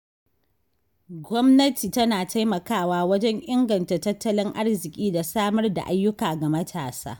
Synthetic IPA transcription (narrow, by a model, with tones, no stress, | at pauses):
ɡʷɔ˦mnɐ˦tiː˨tɐ˦naː˨ta˦jmɐ˨kaː˦˨waː˦wɐ˦d͡ʒɛ˦ɲʔɪ˦ŋɡɐ˨ntaː˨tɐ˦tːɐ˦lɪ˦ŋʔa˦ɽzɪ˨kʲʼiː˦da˨saː˦mɐ˦rda̰˨ʔa˦jːʊ˦kaː˨ɡa˨mɐ˦tʰaː˨sa̰ː˦